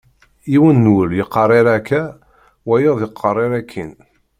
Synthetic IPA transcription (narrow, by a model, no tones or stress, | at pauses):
iwənːəljəqːɑrˤɪɾækːæ | wæjoðˤjəqʰːərˤːeɾækʰːin